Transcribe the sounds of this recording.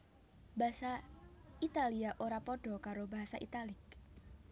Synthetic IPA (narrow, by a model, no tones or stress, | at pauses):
basait̪aliaʔoɾapɔɖ̥ɔ̤kaɾobaɦasaʔḭt̪alɪk̚